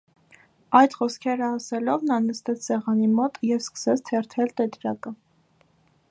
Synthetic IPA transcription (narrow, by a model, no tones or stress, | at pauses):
ɑjt̪χɔskʰɛɾəɑsɛlɔvnɑnəst̪ɛt͡sʰsɛʁɑnimɔt̪jɛvskə̥sɛt͡sʰt̪ʰɛɾt̪ʰɛlt̪ɛt̪ɾɑkə